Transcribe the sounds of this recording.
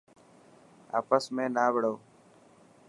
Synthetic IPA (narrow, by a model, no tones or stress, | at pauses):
a̰ːpəsmẽːnaːbɽəː